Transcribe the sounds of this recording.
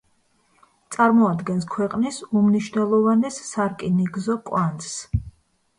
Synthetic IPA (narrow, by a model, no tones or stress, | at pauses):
t̪sʼaɾmɔad̪ɡɛnskʰwɛqʼnisumniʃnɛlˠɔvanɛsːaɾkʼiniɡzɔkʼwans